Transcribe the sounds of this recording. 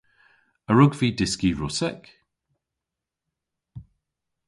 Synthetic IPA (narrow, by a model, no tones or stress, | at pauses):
əɹʊɡviːdɪskiɹɔsɛk